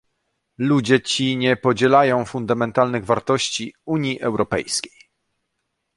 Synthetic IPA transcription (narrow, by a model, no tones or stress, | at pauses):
lud͡ʑɛt͡ɕiɲɛpɔd͡ʑɛlajɔ̃w̃fund̪amɛnt̪alnɘɣvaɾt̪ɔɕt͡ɕiuɲjiʔɛwɾɔpɛ̰jskʲe̥j